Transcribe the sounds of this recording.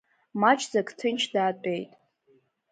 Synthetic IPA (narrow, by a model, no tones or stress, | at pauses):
mat͡ʃʰd͡zakʰʼtʰɨnt͡ʃʰdaːtʷʼe̞jtʼ